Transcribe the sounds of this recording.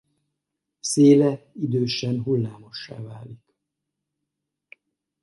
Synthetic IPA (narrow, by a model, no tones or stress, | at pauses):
seːlɛid̪øːʃɛnɦulːaːmo̞ʃːa̰ːvaːlik